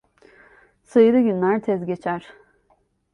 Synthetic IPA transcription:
sɯjɯɾɯɟynlʲæɾt̪ʰɛzɟe̞t͡ʃʰæɾ̥

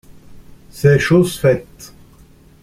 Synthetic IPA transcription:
sɛʃusfɛt̪

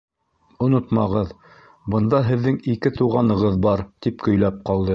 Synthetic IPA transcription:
ŏnot̪mɑʁɤð | bɤ̆nd̪ɑɦɘ̆ðːɘŋikɘt̪uʁɑnɤ̆ʁɤðbɑɾt̪ipkɵ̆jlæp̚qɑlˠd̪ɤ

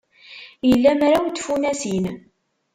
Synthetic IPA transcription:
jəlːæmɾawt̪ːfunæsin

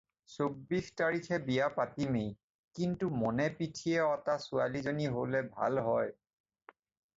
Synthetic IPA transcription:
sobːixtaɹikʰɛbijapatimej | kintumɔnɛpitʰiɛɔtasualizoniɦolɛbʱa̰lɦɔj

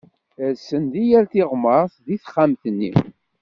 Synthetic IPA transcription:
æsənðijæɾθɪʁməɾˤθðiθχːamθənːḭ

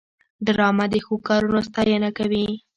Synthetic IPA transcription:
ɖɾɑmad̪əxokɑɾunost̪ɑjənakawi

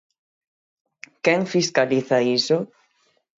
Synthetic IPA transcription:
kɛŋfiskaliθaisʊ

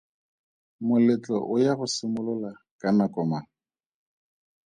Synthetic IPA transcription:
mʊlɪt͡ɬʼɔ̰ʔʊjaɣʊsɪmʊlʊla | kʼanakʼɔma

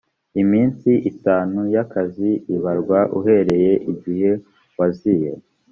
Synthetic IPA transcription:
imiːnsiʔitaːnujakaziiβaɾɡwaʔṵɦe̞ɾe̞je̞ʔiɟihe̞ | wazije

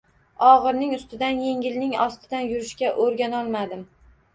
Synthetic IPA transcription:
ɒʁɨɾnɪŋʊst̪ɪd̪anje̞ŋʲɪlnɪŋɒst̪ʰɪd̪anjʊɾɪʃkʲaʔoɾɡʲanɒlˠmad̪ɪm

